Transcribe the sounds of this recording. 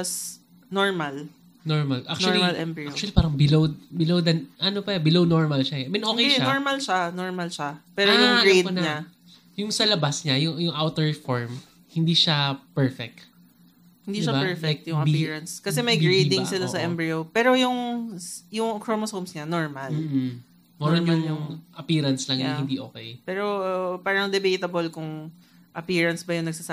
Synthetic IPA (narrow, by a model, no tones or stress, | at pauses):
ɐs | nɔɹmal | noɹmɐlʔa̰k̚t͡ʃuɐɹlimalʔɛmbɹiat͡ʃt͡ʃʊɐlipaːɾɐŋbɪlowbɪlowd̪ɐnʔɐnopɐjabɪlownoɹmɐlʃaɛɐminʔoːkejʃnoɹmɐlʃanoɹmɐlʃapɛːɾojʊɐɹejdpɐnɐɲa | jʊŋsɐlɐbasɲajʊŋjʊŋʔawt̪ɛɹfoɹm | hɪnd̪iːʃapɛɹfɛk̚t̪ | hɪnd̪iːɪʃabapɛɹfɛk̪jʊŋɐpiːɹɐnskɐs̬ɛmɐjɡɹejd̪ɪŋsɪlasɐʔɛmbɹiopɛːɾo̞jʊŋ | jʊŋkɹomosomsɲanoɹmɐl̩ː | mɛɾonjʊnjʊŋʔɐpiːɾɐnslɐŋɪ̃nd̪iʔo̰ːkɛjpɛːɾo̞paːɾɐŋd̪ɛbejt̪ɐbolkʊŋ | ʔɐpiːɹɐnsbɐjʊŋnɐɡ̚sasa